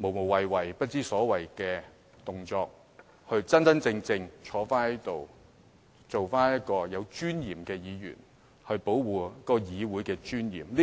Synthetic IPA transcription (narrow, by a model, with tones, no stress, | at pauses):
mo˨˩wmo˨˩wɐ˨jwɐ˨˩jpɐ˥t̚t͡siː˥sɔː˨˥wɐ˨˩jkɛː˧ | t̪ʊ˨ŋt͡ʃɔː˧k̚ | hɵ˧ɥt͡sɐ˥nt͡sɐ˥nt͡sɪ˧ŋt͡sɪ˧ŋt͡ʃʰɔː˨˥faː˥njɐ˥jt̪o˨w | t͡so˨wfaː˥njɐ˥t̚kɔː˧jɐ˨˧wt͡ʃyː˥njiː˨˩mkɛː˧jiː˨˧jy̰ː˨˩n | hɵ˧ɥpo˨˥wwuː˨˥kːɔː˧jiː˨˧wuː˨˥jkɛː˧t͡ʃyː˥njḭː˨˩mli˥